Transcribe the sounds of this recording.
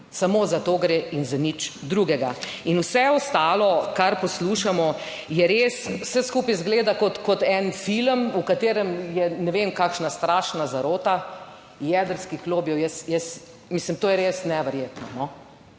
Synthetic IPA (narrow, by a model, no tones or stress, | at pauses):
samoːzat̪oːɡɾeinzanit͡ʃd̪ɾuɡɛɡainwsɛɔst̪aːlɔkaɾpɔsluʃamɔ | jɛɾeswsɛskuːpɛjzɡleːd̪akɔt̪kɔt̪ɛnfiləmukat̪eːɾəmjɛnɛʋemkakʃnast̪ɾaːʃnazaɾoːt̪a | jɛd̪əɾskixloːbjɛwjɛsjɛs | mislimt̪oːjɛɾesnɛʋɛɾjeːt̪nɔnɔ